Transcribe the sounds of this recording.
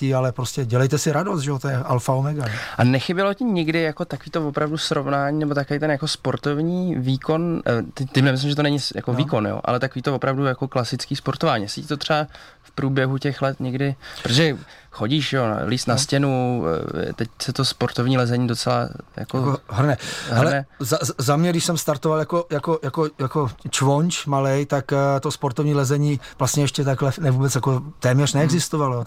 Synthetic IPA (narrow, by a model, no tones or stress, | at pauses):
ialɛpɾoscɛɟɛlɛjt̪ɛsɪɾadost̪ʒɛot̪ojɛʔalfaomɛɡaʔanɛxɪbjɛlo̞cɪɲɪɡdɪjako̞t̪akoviːt̪ovopɾavdusɾo̞vnaːɲiːnɛbot̪akovejt̪ɛnjako̞spo̞ɾt̪o̞vɲiːviːko̞nt̪ɛt̪ɪmnɛmɪs̬lɪmʒɛt̪onɛɲɪja̰koviːko̞njo̰ʔa̰lɛt̪akoviːt̪ovo̞pɾavdujako̞klasɪt͡skiːspo̞ɾt̪o̞vaːɲisicɪt̪ot̪r̥ɛba | fpɾuːbjɛɦucɛxlɛt̪ɲɛɡdɪpɾot̪oʒɛ | xoɟiːʃʒɛon̰liːst̪nascɛnu | t̪ɛcsɛt̪ospoɾt̪ovɲiːlɛzɛɲiːdot͡sɛla̰ja̰kooɦrnɛɦhɛlɛnɛzazamɲɛdɪʃsɛmst̪aɾt̪ovaljako̞jako̞jako̞jako̞t͡ʃvoɲt͡ʃmalɛjt̪akt̪ospoɾt̪ovɲiːlɛzɛɲiːvlast̪ɲɛɛʃcɛt̪̬aklɛnɛvuːbɛt͡sjako̞t̪ɛːmɲɛr̥nɛɛɡzɪst̪ovalo